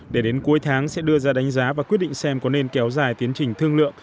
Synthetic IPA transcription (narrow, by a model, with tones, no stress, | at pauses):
ɗe˧˩ɗe˨˦nku˨˦əjt̪ʰaː˨˦ŋsɛ̰˧˥ɗɨ˧əzaː˧ɗa˨˦ŋ̟zaː˨˦vaː˨˩kwi˦˥ət̚ɗḭ˧˨ŋ̟sɛ˧mkɔ˨˦ne˧nkɛ˨˦wzaː˨˩jt̪i˨˦ənt͡ɕï˨˩ŋ̟t̪ʰɨ˧əŋlɨ̰˧˨əŋ